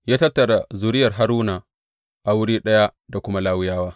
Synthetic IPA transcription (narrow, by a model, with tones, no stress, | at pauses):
jaː˦tɐ˦tːɐ˨ɾa˨zuː˨ɾɪ˦jɐ˨rɦa˦ɾuː˦naː˨ | ʔa˨wʊ˦ɽiː˦ɗɐ˦ja˦da˨kʷʊ˦ma˦laː˦wɪ˦jaː˦waː˦